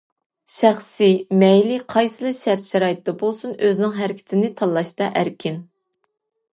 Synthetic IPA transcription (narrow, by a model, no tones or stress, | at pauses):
ʃæχsɪmɛjliqʰɑjsɨlˠɨʃæɾt̪ʃɛɾɑːjit̪d̪ɑbolˠsunøznɪŋɦæɾɪkʲʰɪ̥t̪ʰɪnɪt̪ʰɑlˠːɑʃt̪ɑʔæɾkʲʰɪn